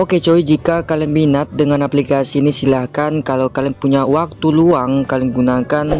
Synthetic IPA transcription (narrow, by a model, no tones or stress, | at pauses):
oket͡ʃowid͡ʒikakalɛnbinat̪̚dəŋanaplikasiːnisilahkankalawkalɛnpuɲawak̚t̪uluaŋkalɪŋɡunakan